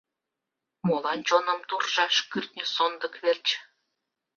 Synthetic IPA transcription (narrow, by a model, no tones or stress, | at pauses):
molɑnt͡ɕonəmt̪urʒɑʃkyrt̪̚nʲəsond̪əkβert͡ɕ